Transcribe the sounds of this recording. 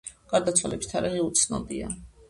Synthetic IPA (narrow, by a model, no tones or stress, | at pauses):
ɡ̥aɾd̪at̪sʰwalɛbi̥st̪ʰaɾɛʁɛut̪sʰnɔ̰b̪ia